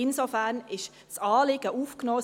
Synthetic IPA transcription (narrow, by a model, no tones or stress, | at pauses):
ɪnsofæʁnɪʃ | sɑːlɪɡ̥əʔuːfknoː